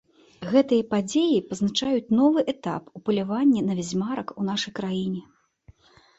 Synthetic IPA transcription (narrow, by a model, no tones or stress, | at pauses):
ɣɛt̪ɨjɐpad͡zʲejipɐznat͡ʂajut͡sʲnɔvɨʔɛt̪a̰pupɐlʲavanʲːɛn̪ɐvʲɛzʲmaɾɐkun̪aʂɐjkɾajinʲɛ